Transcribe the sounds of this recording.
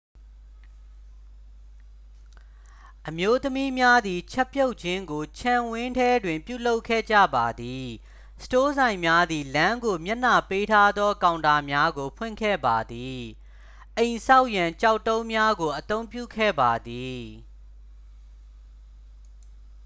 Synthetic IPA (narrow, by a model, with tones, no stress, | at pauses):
ʔəmjo˦t̪əmi˦mja˦d̪i˨t͡ɕʰɛ˦pjo˦ʊʔt͡ɕʰɪ̃˦ŋɡo˨t͡ɕʰã˨wɪ̃˦ntʰɛ˦dwɪ̃˨mpjṵ˦˨lo˦ʊkʰːɛ̰˦˨d͡ʑä̰˦˨ba˨d̪i˨ | sə̥to˦zã˨ɪ̃mja˦d̪i˨lã˦ŋɡo˨mja˦n̥a˨pe˦tʰa˦d̪ðɔ˦kã˨ʊ̃nda˨mja˦ɡo˨pʰwɪ̰̃˦˨ŋkʰɛ̰˦˨ba˨d̪i˨ | ʔẽ˨ɪ̃sa˦ʊʔjã˨ɲt͡ɕa˦˨ʊtːõ˦ʊ̃mja˦ɡo˨ʔət̪õ˦ʊ̃mpjṵ˦˨kʰɛ̰˦˨ba˨d̪i˨